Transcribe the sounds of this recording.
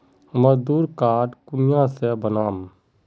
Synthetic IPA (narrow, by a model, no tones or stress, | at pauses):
məzd̪uːɾkaːʈkʊnɪjãsebənaːm